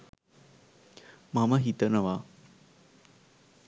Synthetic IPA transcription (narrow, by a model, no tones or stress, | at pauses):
mamaɦit̪ənɐʋa